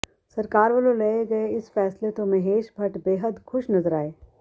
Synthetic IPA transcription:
sɐɾkaːɾʋəlolɐeɡɐeɪsfɛːslet̪omɐ̃ɦeːʃbʱɐʈbeːɦəd̪xʊʃnɐzəɾaːeː

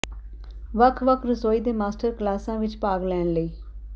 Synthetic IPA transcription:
ʋəkʰʋəkʰɾəsoːiːd̪eːmaːsʈəɾklaːsãːʋɪt͡ʃpaːɡlɛːnləiː

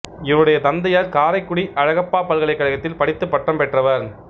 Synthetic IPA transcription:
ɪʋɯɽɐjɐt̪ɐnd̪ɐjaːɾkaːɾɐɪkːʊɽiʔɐɻɐɣɐpːaːpːɐlɣɐɭɐɪkːɐɻɐɣɐt̪ːɪlpɐɽɪt̪ːɯpːɐʈːɐmpɛʈrɐʋɐɾ

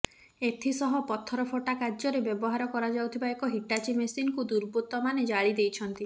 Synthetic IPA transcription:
et̪ʰisɔɦɔpɔt̪ʰːɔɾɔpʰoʈakad͡ʒɔɾebɔbɔɦaɾɔkɔɾad͡ʒawt̪ʰibaekɔɦiʈat͡ʃimesinkud̪uɾbut̪ɔmaned͡ʒaɭid̪ejt͡ʃʰɔnt̪i

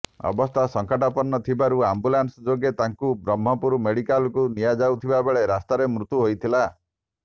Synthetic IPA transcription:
ɔ̰bɔst̪ʰasɔŋkaʈapɔnːɔt̪ʰibaɾuambulansɔd͡ʒoɡet̪aŋkubɾɔm̤ːɔpuɾumeɽikalkunijad͡ʒawt̪ʰibabeɭeɾast̪aɾemɾut̪uɦojt̪ʰila

